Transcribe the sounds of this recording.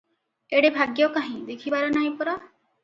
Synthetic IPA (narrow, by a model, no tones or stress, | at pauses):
eɽebʱaɡjɔkaɦĩd̪ekʰibaɾɔnaj̃pɔɾɔ